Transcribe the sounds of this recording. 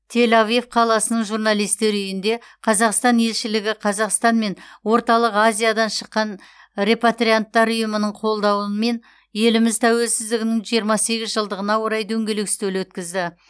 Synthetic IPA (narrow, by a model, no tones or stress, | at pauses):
t̪ʰe̞lavʲifqʰɑlˠɑsənəɴʒuɾnɑlˠijst̪e̞ɾʏjɪnd̪e̞ | qʰɑzɑqst̪ɑne̞lʃɪlɪɡʲɪqʰɑzɑqst̪ɑnme̞nwo̞ɾt̪ɑlˠəqazʲijad̪ɑnʃəqːɑn | re̞pat̪ɾʲijant̪ːɑɾʊjəmənəɴqʰo̞lˠd̪ɑwənme̞n | je̞lɪmɪzt̪ʰæwe̞lsɪzd̪ɪɡʲɪnɪŋʒijəɾmɑse̞ɡʲɪzʒəlˠd̪əʁənɑwoɾɑjd̪ɵŋɡʲe̞lekɪ̥st̪elwɵt̪̚kʲɪzd̪ɪ